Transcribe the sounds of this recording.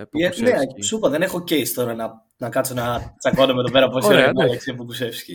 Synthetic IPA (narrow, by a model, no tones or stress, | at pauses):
eneɐsupɐðe̞ne̞xo̞cejst̪o̞ɾɐnɐ | nɐkɐt̪t͡so̞nɐt͡sɐkɐnɐmet̪opeɾɐposeɾenɐeksipukuse̞fsi̥ce